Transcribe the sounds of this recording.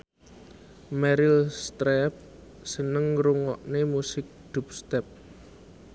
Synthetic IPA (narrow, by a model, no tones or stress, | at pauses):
mɛɾɪlst̪ɾɛp̚ | sənəŋɾuŋɔʔnemusɪk̚d̪̥ṳp̚st̪ɛp̚